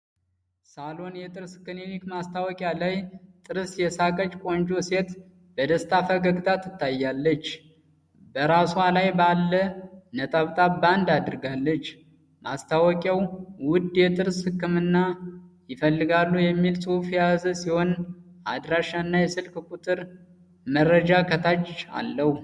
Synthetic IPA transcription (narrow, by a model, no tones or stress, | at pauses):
salo̞njɛt̪ʼɨɾskːɨnenikmast̪ʰawɔkʼjalajt̪ʼɨɾɨsjɛsakʼət͡ʃʼkʼo̞nd͡ʒo̞se̞t̪ | bəd̪əst̪ʰʼafəɡəɡt̪ʰat̪ɨt̪ʰːajːalːət͡ʃː | bəɾasalajbalːənət̪ʼaβt̪ʼaband̪ad̪ɨɾɡalːət͡ʃː | mast̪ʰawɔkʼjawwʊd̪jɛt̪ʼɨɾshɨkːɨmɨnːajɪfəlːɨɡalːujɛmːilsʼuufjazəsiho̞nad̪ɾaʃːanːajɛsɨlkʼkʼut̪ʼɨɾ | məɾəd͡ʒakʰət̪ʰat͡ʃa̰lːəhu